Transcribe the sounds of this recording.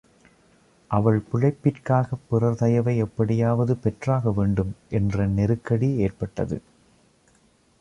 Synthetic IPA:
ʔɐʋɐɭpʊɻɐɪpːɪrkaːɣɐpːɪrɐɾðɐjɐʋɐɪɛpːɐɽɪjaːʋɐðɯpɛʈraːɣɐʋeːɳɖɯmʔɛndrɐnɛɾɯkːɐɽieːrpɐʈːɐ̰ðɯ̰

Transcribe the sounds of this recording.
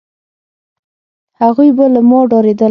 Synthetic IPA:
haɣujbalamɑɖɑɾed̪ə

